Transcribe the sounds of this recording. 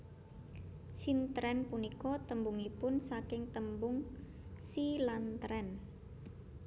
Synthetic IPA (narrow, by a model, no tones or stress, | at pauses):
sint̪ɾɛnpunikɔt̪əmbuŋipʊnsakɪŋt̪əmbʊŋ | silant̪ɾɛn